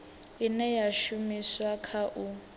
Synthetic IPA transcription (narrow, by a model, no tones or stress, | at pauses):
inɛjaʃumiswakʰaʔu